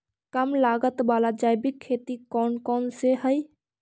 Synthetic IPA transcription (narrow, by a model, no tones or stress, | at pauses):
kəmlaɡət̪balad͡ʒajbikʰːet̪ikɔːnkɔnseɦəj